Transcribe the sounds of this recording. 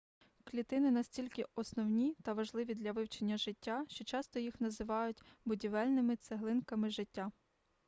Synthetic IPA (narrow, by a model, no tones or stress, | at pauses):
klʲit̪ɪnɪnɐsʲtʲilʲkɪɔsnɔwnʲit̪ɐʋɐʒlˠɪʋʲid̪lʲɐʋɪwt͡ʃenʲːɐʒɪtʲːaʃt͡ʃɔt͡ʃɑst̪ɔjixnɐzɪʋɑjʊtʲbʊdʲiʋɛlʲnɪmɪt̪seɦlˠɪnkɐmɪʒɪtʲːa